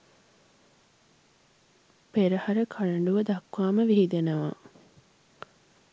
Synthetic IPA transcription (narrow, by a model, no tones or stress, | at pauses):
peɾɐhɐɾəkʰɐɭɐɳɖuʋɐd̪ɐkʋaːməʋiɦid̪enɐʋa̰ː